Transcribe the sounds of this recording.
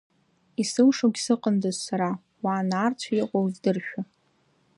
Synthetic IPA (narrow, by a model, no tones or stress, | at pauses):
isɨwʂoɡʲsɨqʼəndozsaɾa | waːnaːrt͡sʷʰajɪqʷʼowzdɨrʃᶣa